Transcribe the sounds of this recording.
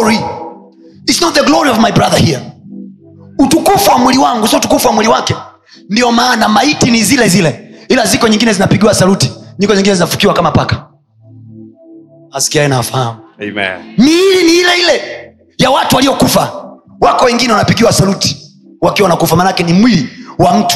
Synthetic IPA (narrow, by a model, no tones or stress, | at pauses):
ɹi | itsnɔt̚ðəɡlɔɹiɔvmajbɹaðəhiə | utukufuwamwiliwaŋɡusiutukufuwamwiliwakɛ | ndiɔmaːnamaitinizilɛzilɛilazikɔɲĩŋɡinɛzinapiɠiwasaluti̥ɲikɔɲiŋɡinɛzinafu̥kiwakamapakḁ | asi̥kiaɛnawafahamu | miiliniilɛilɛ | jawatuwalijɔkufa | wakɔwɛŋɡinɛwanapiɡiwasaluti̥ | wakiwawanakufamaːnakɛnimwiliwam̩tu̥